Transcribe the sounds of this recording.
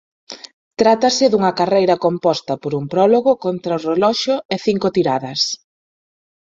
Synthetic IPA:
t̪ɾat̪ɐsɪðuŋɐkarejɾɐkompɔst̪ɐpoɾumpɾɔloɣʊkont̪ɾɐorelɔʃʊeθiŋkot̪iɾaðɐs

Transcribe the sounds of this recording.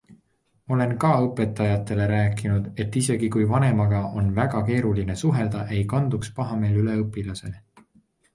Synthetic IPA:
o̞le̞nkɑːɤpːˑe̞t̪ːˑɑjɑt̪ːˑe̞le̞ɾæːkːˑinud̪̥e̞t̪ːise̞ɡikujvɑne̞mɑɡ̥ɑʔo̞nvæɡ̥ɑke̞ːɾuline̞suɦe̞ld̪̥ɑʔe̞jkɑnd̪ukspɑɦɑme̞ːlyle̞ɤpːˑilɑse̞̰l

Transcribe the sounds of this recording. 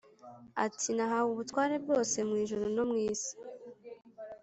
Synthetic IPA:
a̰tʰinaɦaβuβutwaːɾe̞b̚ɡo̞ːse̞mŋiːʒuɾono̞mŋiːzi̥

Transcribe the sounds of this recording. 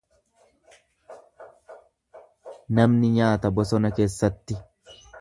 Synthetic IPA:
nɐmnɪɲaːt̪ɐbɔsɔnɐke̞ːsːɐt̪ːɪ

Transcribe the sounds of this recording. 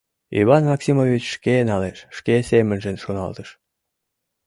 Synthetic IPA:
ḭβɑnmɑksimovit͡ɕʃkenɑleʃːkesemənʒənʃonɑ̰lt̪əʃ

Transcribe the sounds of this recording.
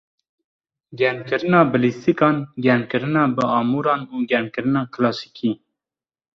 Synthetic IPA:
ɡɛmkɨɾɨnɑːbɨlist̪ʰikɑːnɡɛɾmkɨɾɨnɑːbəɑːmuːɾɑːnuːɡɛmkɨɾɨnɑːkʰlɑːsi̥kʰiː

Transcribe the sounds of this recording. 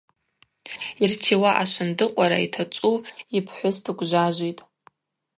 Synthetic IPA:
irtʰiwaʔaʃʷʊndɨqʷʼaɾa̰ḭtʰat͡ʃʷʼuipʰħʷʊstʰɨkʷʼʒʷaʒʷitʼ

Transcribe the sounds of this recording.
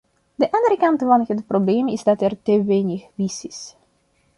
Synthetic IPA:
dəʔɑndəɾəkɑntfɑnɦətprobleːmɪzdɑtɛrtəʋeːnɪxʋisɪs

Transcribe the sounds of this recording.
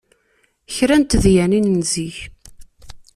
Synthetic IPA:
çɾænt̪ðjæninnziç

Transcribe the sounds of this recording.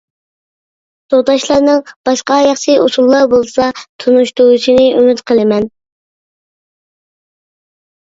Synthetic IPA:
t̪oʁt̪ɑʃlˠɑɾnɨŋb̥ɑʃqɑjɑχʃiusulˠːɑɾbolˠsɑt̪ʰunuʃt̪ouʃinɨʔymyt̪qʰəlˠɪmɛn

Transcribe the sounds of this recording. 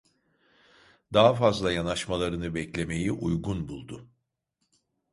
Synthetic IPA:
d̪aɦafazlˠajanaʃmalˠaɾɯnɯbɛclʲe̞me̞jiʔujɡunbulˠd̪ʊ

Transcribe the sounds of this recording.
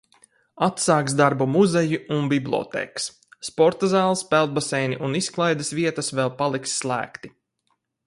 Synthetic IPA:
at̪saːkzd̪aɾbumuzɛjuunbiblʲˠɔ̰t̪ɛ̰ːksː | pɔɾt̪azaːlˠspɛlˠd̪̚basɛjniʔunisklˠajd̪ɨsviɛt̪ɐsvɛlˠpalˠiksːlˠæ̰ːkt̪i

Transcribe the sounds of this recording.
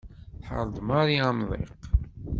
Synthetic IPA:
θħə̰ɾˤd̪ˤmɑɾˤiamðˤḛq

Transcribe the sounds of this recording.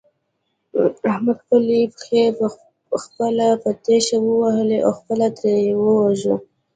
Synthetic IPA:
ahmad̪falibxepə | xpəlapət̪eʃawəwahəleʔa̰xpəlad̪ɾejewəwaʒu

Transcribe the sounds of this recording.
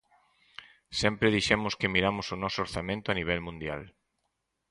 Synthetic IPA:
sɛmpɾeðiʃɛmʊskɪmiɾamʊsʊnɔsʊoɾθamẽnt̪ʊaniβ̞ɛlmũnd̪ja̰l

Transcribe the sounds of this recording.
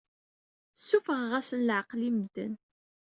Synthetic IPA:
sːufəʁʁæsənləʕəqlimd̪ə̰n

